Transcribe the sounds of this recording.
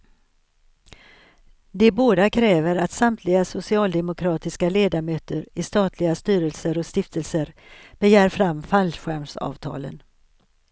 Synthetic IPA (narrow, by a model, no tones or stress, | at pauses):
d̪ɛboːd̪akʰɾɛːvəɾat̪samt̪ʰlɪɡasʊsɪɑːld̪ɛmʊkʰɾɑːt̪ɪskaleːd̪amøːt̪əɾɪst̪ɑːt̪ʰlɪɡast̪yːɾəlsəɾɔst̪ɪft̪əlsəɾb̥ɛjæːɾfɾamːfalɧæmsɑ̰ːvt̪ʰɑ̰ːlə̰n